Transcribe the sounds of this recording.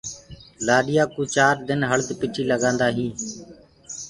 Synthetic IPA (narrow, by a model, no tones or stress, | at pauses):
laːɗɪjaːkuːt͡ʃaːɾd̪ɪnɦəɭd̪pɪʈʰiːləɡãːnd̪aːɦĩː